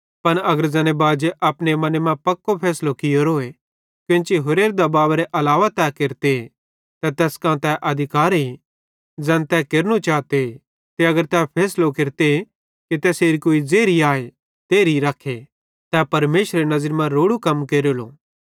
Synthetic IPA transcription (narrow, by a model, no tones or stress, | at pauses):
pɐnɐɡəɾzɛːnebaːd͡ʒeʔɐpnemɐnemãpɐkːopʰɛːslokɪjoɾoːe | kjõːt͡ʃiɦʊɾeːɾd̪abaːʋɾeʔɐlaːʋat̪ɛkeɾt̪e | t̪ɛ̃t̪ɛːskãːt̪ɛʔɐd̪ʱɪkaːɾɦi | d͡zɛːnt̪ɛkeːɾnut͡ʃaːt̪e | t̪eɐɡəɾt̪ɛpʰɛːslokeɾt̪e | kit̪ɛːseːɾikoːid͡zeːɾiaːe | t̪eːɾiɾɐkʰe | t̪ɛpɐɾmeːʃɾeenɐzəɾmãɾoːɽukɐmkeːɾolo̰ː